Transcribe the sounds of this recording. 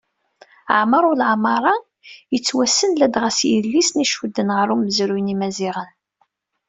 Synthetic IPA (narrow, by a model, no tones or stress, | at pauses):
ʕməɾˤʊlʕmɑɾˤɑ | jət͡sːwæsːənlæd̪ʁæsijəlːisniʃwəd̪ːənʁəɾˤuməzɾujnimæziʁən